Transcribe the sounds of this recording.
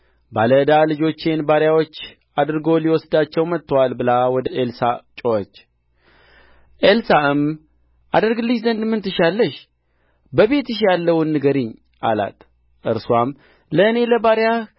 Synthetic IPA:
baləd̪alɨd͡ʒo̞t͡ʃːenbaɾjawo̞t͡ʃː | ad̪ɾɨɡo̞liwɔsd̪at͡ʃːɛwmət̪ʰːəwalbɨlawɔd̪əʔelsat͡ʃʼoɔt͡ʃː | ʔelsaɨm | ʔa̰d̪əɾɡɨlːɨʃzənd̪mɨnt̪ʰɨʃalːəʃ | bəβe̞t̪ɨʃ̬jalːəwnːɨɡəɾiɲ | ʔa̰la̰t̪ | ʔɨɾswam | ləɨne̞ləbaɾja

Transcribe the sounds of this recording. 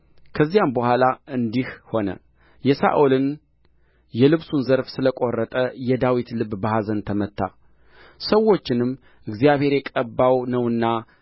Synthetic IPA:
kʰəzːijambəhʷalaɨnd̪ihho̞nə̰ | jɛsa̰ʔulɨn | jɛlɨβsunzəɾfsɨləkʼo̞rːət̪ʼəjɛd̪awit̪lɨbbahazənt̪ʰəmət̪ʰːa̰ | səwo̞t͡ʃːɪnɨmː | ʔɨɡzijaβhe̞ɾjɛkʼəbːawnəwɨnːa

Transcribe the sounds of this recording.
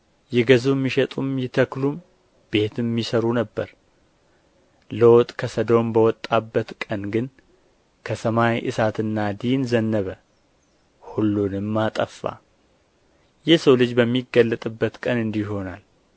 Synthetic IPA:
jɛɡəzumːiʃɛt̪ʼumjɛt̪ʰəklum | b̥e̞t̪ʰɨmːisəɾunəbːəɾ | lowt̪ʼkʰəsəd̪o̞mbəwɔt̪ʼːabːət̪kʼənɡɨn | kʰəsəmajʔɨ̰sat̪ʰɨnːad̪inzənːəβə | hulːunɨmːat̪ʼəfːa̰ | jɛhsəwlɨd͡ʒbəmːiɡəlːət̪ʼɨbːət̪kʼənɨnd̪iho̞nal

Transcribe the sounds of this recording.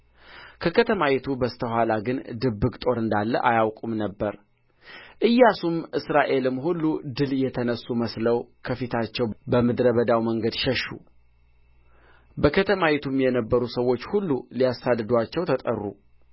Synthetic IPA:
kʰəkʰət̪ʰəmajɛt̪ʰubəst̪ʰəɦʷalaɡɨnd̪ɨbːɨkt̪ʼo̞ɾɨnd̪alːə̰ʔajawkʼumnəbːəɾ | ʔɨjːasumʔɨsɾaʔe̞lɨmːhulːud̪ɨljɛt̪ʰənəsːuməsləwkʰəfit̪ʰat͡ʃːɛwbəmɨd̪ɾəβəd̪awməŋɡəd̪ʃəʃːṵ | bəkʰət̪ʰəmajɛt̪ʰumjɛnəbːəɾusəwːo̞t͡ʃːhulːulijasːad̪ɨd̪uat͡ʃːɛwt̪ʰət̪ʼə̰rːṵ

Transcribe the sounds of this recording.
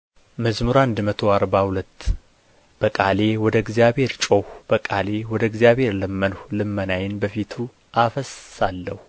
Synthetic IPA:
məzmuɾand̪mət̪ʰo̞aɾbahulət̪ː | b̥əkʼale̞wɔd̪əɡzijaβhe̞ɾt͡ʃʼohbəkʼale̞wɔd̪əɡzijaβhe̞ɾləmːənhlɨmːənajɪnbəfit̪ʰu | ʔafəsːalːəhu

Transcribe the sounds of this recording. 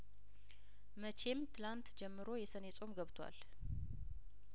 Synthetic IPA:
mət͡ʃʰe̞mt̪ʰɨlant̪d͡ʒɛmːɨɾo̞jɛsənesʼo̞mɡəβt̪ʰwa̰l

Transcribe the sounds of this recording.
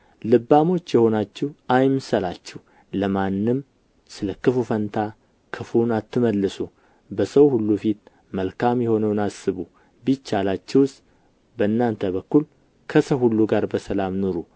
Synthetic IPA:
lɨbːamo̞t͡ʃːjɛho̞nat͡ʃːɛwajmsəlat͡ʃːɛw | ləmanːɨm | sɨləkɨfufənt̪ʰa | kʰɨfunat̪ʰːɨməlːɨsu | bəsəwhulːufit̪ | məlkʰamjɛho̞nəwnasɨβu | bit͡ʃːalat͡ʃːɛwst̪ | bəɨnːant̪ʰəβəkːul | kʰəsəwhulːuɡaɾbəsəlamnuɾu

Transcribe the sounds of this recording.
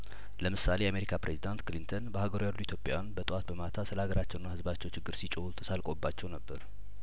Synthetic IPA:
ləmɨsalejame̞ɾikʰapɾezid̪ant̪klint̪ʰənbəhaɡəɾujalːuit̪ʰjo̞pʼjanbət̪ʼwat̪̚bəmat̪ʰasɨləhaɡəɾat͡ʃːɛwnːahɨzbat͡ʃːɛwt͡ʃɪɡːɨɾsit͡ʃʼowut̪ʰə̥salkʼobːat͡ʃːɛwnəbːəɾ

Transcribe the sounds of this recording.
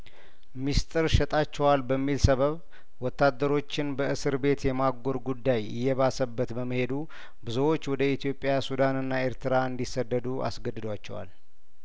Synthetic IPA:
mist̪ʼɨɾʃɛt̪ʼat͡ʃːɛwalbəmːilsəβəβ | wɔt̪ːad̪ːəɾo̞t͡ʃːɪnbəʔɨsɨɾbe̞t̪jɛmaɡo̞ɾɡud̪ːajɪ̰jːɛβasəbːət̪bəmːəhe̞d̪u | bɨzowot͡ʃːwɔd̪əit̪ʰijo̞pʼjasud̪anɨnːae̞ɾt̪ʰɨɾaɨnd̪isːəd̪ːəd̪uʔa̰sɡəd̪ːɨd̪wat͡ʃːɛwa̰l

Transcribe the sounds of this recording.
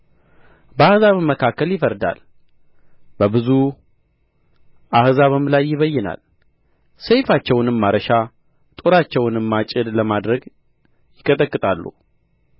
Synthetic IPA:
bəahzaβmːəkʰakːəljɪfəɾd̪a̰l | bəbɨzu | ʔahzaβɨmlajːɪβəjːɛna̰l | sejfat͡ʃːɛwnɨmːaɾəʃa | t̪ʼoɾat͡ʃːɛwnɨmːat͡ʃʼɪd̪ləmad̪ɾəɡ | jɪkʰʼət̪ʼəkʼːɨt̪ʼalːṵ

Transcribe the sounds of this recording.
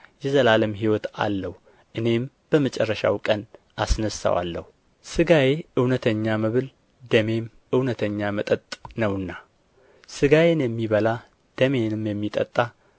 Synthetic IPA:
jɛzəlaləmɦiwɔt̪a̰lːəhu | ʔɨne̞m | b̥əmət͡ʃʼɛrːəʃa̰wkʼən | asnəsːa̰wa̰lːə̰hu | sɨɡajeʔɨwnət̪ʰəɲːaməβɨl | d̪əme̞m | ʔɨwnət̪ʰəɲːamət̪ʼət̪ʼnəwɨnːa | sɨɡajenjɛmːiβəla | d̪̥əme̞nɨmjɛmːit̪ʼə̰t̪ʼːa

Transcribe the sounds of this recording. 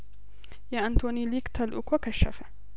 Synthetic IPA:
jaːʔant̪oːniːliːkt̪ʰalʔʊ̰kwakaʃːa̰fa

